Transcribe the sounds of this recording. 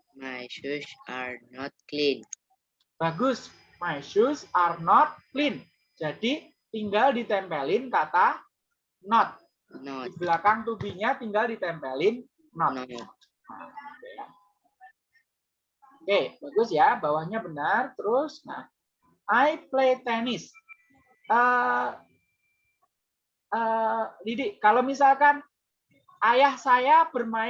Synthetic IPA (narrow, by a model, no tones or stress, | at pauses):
majsusaɾnɔt̪̚klin | b̥aɡʊs | majsʊsarnɔt̪̚klɪn | d͡ʒadi | t̪iŋɡaldit̪ɛmpɛlɪnkat̪a | nɔt̪̚ | iblakaŋt̪ubihɲat̪iŋɡaldit̪ɛmpɛlɪnː | ɔt | a | okebaɡʊsjabawahɲabənərt̪əɾʊsna̰h | ʔajplet̪ɛnɪs | ʔə | ədidɪkalomisalkan | ʔajahsajab̥ərma